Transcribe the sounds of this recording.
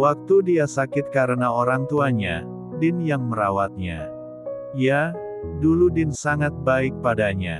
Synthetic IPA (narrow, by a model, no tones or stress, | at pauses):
wak̚t̪udiasakɪt̪̚kaɾənaoɾaŋt̪uaɲa̰ | dɪnjaŋməɾawat̪̚ɲa̰ | ija | duludɪnsaŋat̪̚baɪk̚padaɲa̰